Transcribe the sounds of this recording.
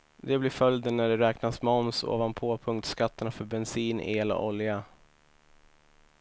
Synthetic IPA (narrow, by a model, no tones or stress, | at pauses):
d̪ɛblɪɾfœljd̪ənːæɖɛɾɛːknasmɔmso̰ːvanpʰoːpʰɵŋk̚t̪skat̪ːəɳafœɾbɛnsiːneːlɔ̰ʔɔlja